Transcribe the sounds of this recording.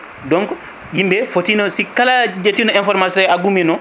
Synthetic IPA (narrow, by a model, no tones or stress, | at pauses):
dɔ̃ŋk | jimbefotinɔsikalad͡ʒetinɔĩnfɔɾmastaaɡumĩnɔ